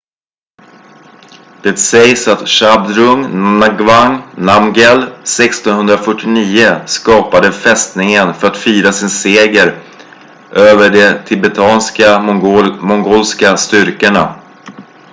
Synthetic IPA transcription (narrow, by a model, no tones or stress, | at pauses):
d̪̥ɛt̪sɛjsat̪ʂabd̪ɾɵŋnaɡvaŋnamɡɛlsɛkst̪ɔnɦɵnd̪ɾafœʈːɪniːəskɑːpad̪əfɛst̪nɪŋənfœɾat̪fyːɾasɪnseːɡəɾ | ʔøːvəɖɛt̪ʰɪbɛt̪ʰɑːnska | mɔŋɡoːlskast̪ʏɾkəɳa̰